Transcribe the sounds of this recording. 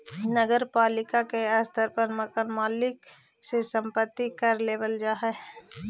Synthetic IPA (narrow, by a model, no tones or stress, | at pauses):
nəɡəɾpaːlɪkakeaːst̪ʰəɾpəɾməkənmaːlɪk | sesə̃mpət̪ːikəɾleːʋəld͡ʒaːɦɛ